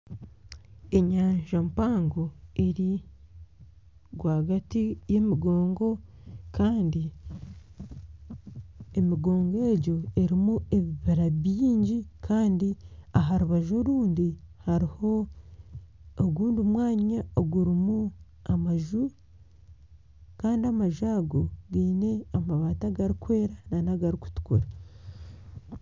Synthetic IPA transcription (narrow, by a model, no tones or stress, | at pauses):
eɲaːɲʒampaːŋɡo̞e̞ɾi | ɡwaːɡatije̞miɡo̞ːŋɡo̞kaːndi | emiɡo̞ːŋɡe̞ɟo̞e̞ɾimue̞βiβaɾaβiːɲɟikʰaːndiaɦaɾuβaʒo̞ɾuːndihaɾiho̞ | oɡuːndumwaːɲaoɡuɾimu | amaʒu | kaːndiamaʒaːɡo̞ɡiːne̞amaβaːtaɡaɾikwe̞ːɾananaɡaɾiku̥tu̥kuɾa